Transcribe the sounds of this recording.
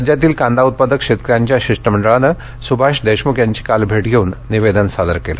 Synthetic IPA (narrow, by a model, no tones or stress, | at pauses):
d͡ʑjat̪̬iːlkãnd̪ʱaut̪̚pad̪əkʂet̪kɾjaɲt͡ɕjaɕiʂʈəməɳɖəɭanə | subʱaʂd̪eʂmukʰjaɲt͡ɕi̥kalbʱeʈɡʱeuːnːiʋed̪ənsad̪əɾkela̰